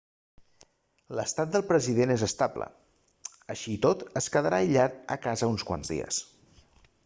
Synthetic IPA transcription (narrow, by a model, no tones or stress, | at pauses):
ləst̪at̪̚d̪əlˠpɾəziðenezəst̪ablə̰ | əʃiːt̪ot̪əskəðəɾʔaiʎat̪ə̰kazəunskwa̰nzðḭə̰s